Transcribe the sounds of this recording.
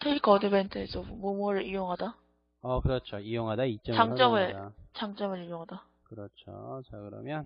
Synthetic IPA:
tʰeikʌdɯbentʰɯesʰʌmomuɾɯɭijoŋɦada | ʌkɯɾʌt͡ɕʰoijoŋɦadait͡ɕ͈ʌt͡ɕaŋt͡ɕ͈ʌmɯɭt͡ɕaŋt͡ɕ͈ʌmɯɾijoŋɦada | kɯɾʌt͡ɕʰo̰t͡ɕakɯɾʌ̰mjʌn

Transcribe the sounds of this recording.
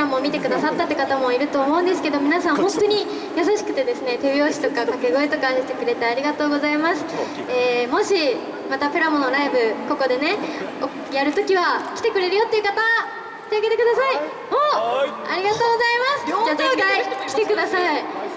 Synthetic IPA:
amomʲit̪e̞kɯ̟d̪asat̪ːat̪ːekat̪amo̞iɾɯ̟t̪o̞ːmo̞ɯ̟̃nd̪e̞sɨ̥ke̞d̪o̞mʲinasãɰ̃hõ̞nt̪o̞ɲ̟i | jas̬aɕi̥kɯ̟t̪e̞d̪e̞sɨne̞t̪e̞βjo̞ːɕi̥t̪o̞kakake̞ɡo̞et̪o̞kãɕi̥t̪e̞kɯ̟ɾe̞t̪aaɾʲiɡat̪o̞ːɡo̞zaimasɨ̥ | eːmo̞ɕi | mat̪apeɾamo̞noɾaibɯ̟ko̞ko̞d̪e̞ne̞o | jaɾɯ̟t̪o̞kʲiβakʲi̥t̪e̞kɯ̟ɾe̞ɾɯjo̞t̪ːeiɯ̟kat̪ḁ | t̪eaɡe̞t̪e̞kɯ̟d̪asai | ho | aɾʲiɡat̪o̞ːɡo̞zaimasɨ̥aːzekaikʲi̥t̪ekɯ̟d̪asai

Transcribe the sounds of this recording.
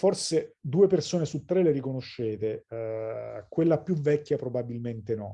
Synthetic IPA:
forsed̪uːepersoːnesut̪ːɾeleɾikonoʃːeːt̪e | kwelːapjuvɛkʲːjapɾobabilment̪enɔ

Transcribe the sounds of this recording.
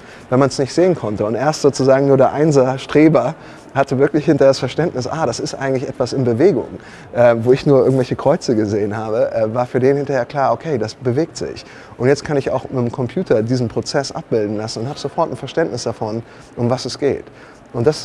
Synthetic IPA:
vɛnmansnɪçtz̥eːənkʰɔntəʊntʔeːɐstz̥oːt͡suzaːɡŋ̩nuːɐɾeːɐʔaɪnzaʃtʁ̥eːbɐ | hatəvɪɐklɪçhɪntɐdasfɛɐʃtɛntnɪsʔaːɾasɪstʔa̰ɪɡŋtlɪçʔɛ̰tv̥asɪnbəveːɡʊ̰ŋ | ʔɛːvoːɪçnuːɐʔɪɐɡŋ̩tv̥ɛlçəkʁ̥ɔʏt͡səɡəzeːənhaːbəʔɛvaːɐfyːɐdeːnhɪntɐheːɐkl̥aːɐokʰeɪdasb̥əveːk̚tz̥ɪ̰ç | ʔʊntjɛt͡stkʰanɪça̰ʊxmɪtmkʰɔmpʰj̥uːtʰɐdiːzn̩pʁ̥ot͡sɛsʔa̰p̚b̥ɪldn̩lasn̩ʊnthaːbəzofɔɐtn̩fɛɐʃtɛntnɪsd̥afɔn | ʔʊmvasɛsɡ̥ḛːt | ʔʊnt̚d̥as

